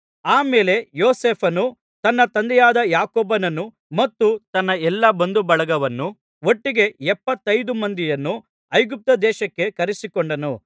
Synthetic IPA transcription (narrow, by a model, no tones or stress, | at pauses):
aːmeːle̞joːseːpʰɐnu | t̪ɐnːɐt̪ɐnd̪ɛjaːd̪ɐjaːkoːbɐnɐnu | mɐt̪ːut̪ɐnːɐɛlːɐbɐnd̪ubɐɭɐɡɐʋɐnːu | oʈːiɡe̞ɛpːɐt̪ːɐjd̪umɐnd̪ijɐnːu | ɐjɡup̚t̪ɐd̪ɛːʃɐkːe̞kɐɾisikoɳɖɐnu